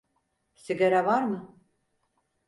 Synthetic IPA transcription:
siɡaɾavaɾmɯ

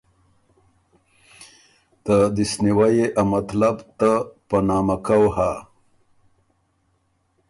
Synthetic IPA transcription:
t̪əd̪isniwajeʔamat̪labt̪apanɑːmakawha

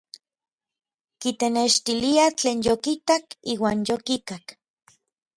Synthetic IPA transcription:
kit̪eneʃt̪iliat͡ɬeːnjokit̪akiːwaːnjokik̪ak

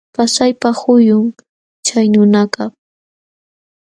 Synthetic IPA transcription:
pasajpahʊjʊŋ | t͡ʃajnʊnakɑ

